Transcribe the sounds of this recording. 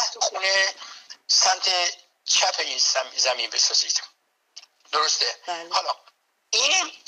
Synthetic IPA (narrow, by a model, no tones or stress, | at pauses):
æh̪oxuːne | sæmt̪ʰe | t͡ʃʰæpʰeinszæminbesɒːziːd̪̥ | d̪̥oɾost̪ehɒlɒ | iːnæ